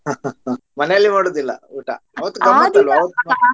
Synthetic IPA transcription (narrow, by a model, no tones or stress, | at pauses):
mɐnejɐlːimaːɽoːd̪ilːɐ̰uːʈa̰ɐʋɐt̪ːukɐmat̪ɐluɐʋɐt̪ːum